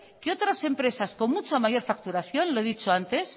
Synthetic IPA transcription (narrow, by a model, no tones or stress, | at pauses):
keo̞t̪ɾase̞mpɾe̞sasko̞nmut͡ʃamaʝo̞ɾfak̚t̪uɾaθjo̞nloeðit͡ʃo̞ant̪e̞s